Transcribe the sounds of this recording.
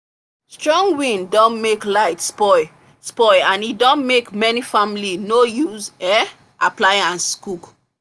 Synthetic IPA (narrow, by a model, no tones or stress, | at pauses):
stɹɔ̃ŋɡwĩndɔ̃nmeklaɪtspɔɪ | spɔɪãnidɔ̃nmekmɛnifamlinojuzɛ | ʔaplaɪãnskuk